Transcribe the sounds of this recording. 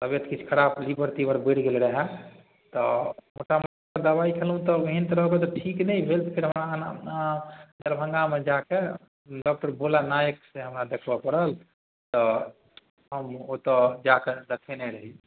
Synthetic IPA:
t̪əbjet̪kit͡ʃʰkʰəɾablibəɾt̪ibəɾbeɽɡelɾəɦɛ | t̪ɔmoʈaməʈkəɾd̪əbaikʰelɦũt̪ɔəɦint̪ɾəɦɡet̪ɔʈʰiknɛibʱelt̪pʰiɾɦəmɾana | d͡ʒəɾbʱə̃ŋɡamed͡ʒake | ɖɔk̚ʈəɾbʱolanajəkseɦəmɾad̪ekʰbəpəɾəl | t̪ɔ | ɦəmot̪ɔd͡ʒaked̪əkʰenɛɾəɦi

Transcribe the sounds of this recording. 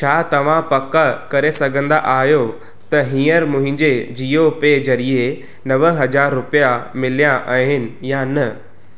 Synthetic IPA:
t͡ɕʰaːt̪ɐʋ̤ãpɐkakɐɾesɐɡʱə̃nd̪a̰ʔaːɦjo | t̪ɐɦĩːəɾmʊ̃ɦɪ̃ɲd͡ʑed͡ʑijopezɐɾie | nɐʋəɦɐd͡ʑaːɾːʊpijamɪlijãʔaɦɪnɪ̆janɐ

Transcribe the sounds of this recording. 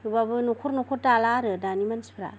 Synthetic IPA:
ubabɯnokʰɔɾnokʰɔɾtalaɾɯdanimansi̥pʰɾa̰

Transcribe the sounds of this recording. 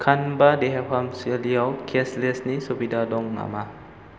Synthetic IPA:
kʰanbadeɦɛp̚kʰamsiliəwkʰeslesnisobidadɔŋna̰ma

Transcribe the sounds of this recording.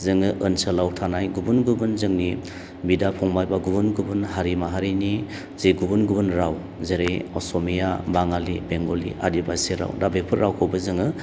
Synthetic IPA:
zɯŋɯʔɯnsalawtʰanajɡubunɡubɯnzɯŋni | bidapʰɔŋbajbaɡubunɡubunɦaɾimaɦaɾini | zeɡubunɡubɯnɾaw | zeɾejɔsɔmijabaŋalibeŋɡolḭʔa̰dibaseɾa̰wdabepʰɯɾːawkʰowbɯzɯŋɯ

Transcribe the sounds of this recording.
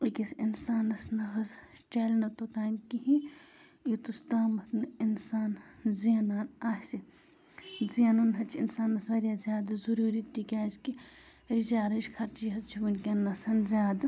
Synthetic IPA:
ikʲisinsaːnɐsnɐxɐz | t͡ʃaːlnɐt̪ot̪aːmkiɦĩ | jit̪ust̪aːmɐt̪ʰnɨinsaːnziɐnaːnaːhsi | zijɐnɐnɦɐt͡ʃʰinsaːnɐsʋɐɾjaːzʲjaːd̪zuɾuːɾiːt̪ːikʲaːski | ɾit͡ʃaːɾɐʃkʰɐɾt͡ʃiɦɐt͡ʃʰibunkʲɐnːɐsɐnzʲjaːd̪

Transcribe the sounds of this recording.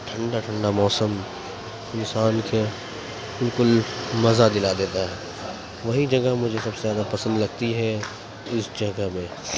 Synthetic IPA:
ʈʰɐ̃ɳɖaʈʰə̃ɳɖamɔːsəm | ɪ̃nsaːnkʰe | bɪlkʊlmɐzad̪ɪlad̪eːt̪aɦɛ | ʋɐɦid͡ʒɐɡamʊd͡ʒʱesɐbsezjaːd̪apɐsə̃nd̪lɐɡt̪iɦɛ | ɪsd͡ʒɐɡəmẽː

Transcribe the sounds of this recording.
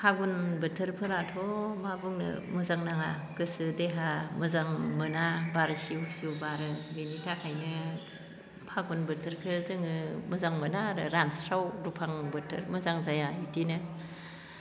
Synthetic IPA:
pʰaɡunbɯtʰɯɾpʰɯɾatʰɔmabuŋnɯ̰mɯzaŋnaŋa | ɡɯsɯdeɦamɯzaŋmɯnabaɾɯsiwsiubaɾɯbenitʰakʰajnɯ | pʰaɡunbɯtʰɯɾkʰɯzɯŋɯmuzaŋmɯnaɾɯɾansɾawdupʰaŋbɯtʰɯ̰ɾmɯzaŋzajaitinɯ

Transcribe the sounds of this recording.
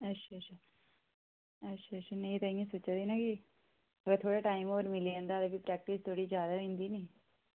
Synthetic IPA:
ətːʃʰatːt͡ʃʰaː | ətːʃʰaːtt͡ʃʰaneĩt̪aːĩẽsoːt͡ʃad̪iːnakɪ | əɡət̪ʰoːɽaʈaːɪimoːɾmɪliɛ̃ːnd̪aːd̪əbiːpɾɛːk̚ʈɪst̪ʰoːɽiːd͡ʒjaːd̪aɦɪ̃nd̪iːniː

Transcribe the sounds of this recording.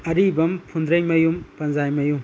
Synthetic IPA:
ɐɾibɐmpʰund̪ɾɐjmɐjumpɐnzajmɐjum

